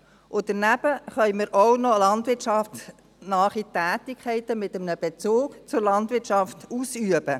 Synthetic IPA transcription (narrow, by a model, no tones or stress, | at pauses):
ʔʊd̥ənæb̥əχœʏməɾʔɔwnɔlɑntʋɪɾt͡ʃɑft | nɑːχitæːtikχɛɪtəmɪt̪əmnəb̥ɛt͡soːkt͡sʊɾlɑntʋɪt͡ʃɑftusyəb̥ə